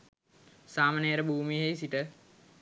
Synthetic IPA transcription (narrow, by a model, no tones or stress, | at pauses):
saːmaneəɾəbuːmiɦeisiʈə